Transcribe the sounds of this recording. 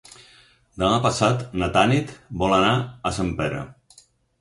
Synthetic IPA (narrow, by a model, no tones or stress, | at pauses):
d̪əmapasat̪nat̪anit̪bɔlanaəsampɛɾə̰